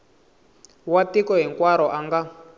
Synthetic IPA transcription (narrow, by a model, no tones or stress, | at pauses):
watikɔɦiŋkwaɾɔʔaŋɡa